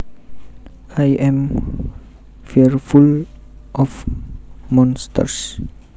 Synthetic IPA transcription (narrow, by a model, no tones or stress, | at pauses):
ajɛ̃m | fiəɾful | ʔɔf | mɔ̃nst̪ə̰ɾs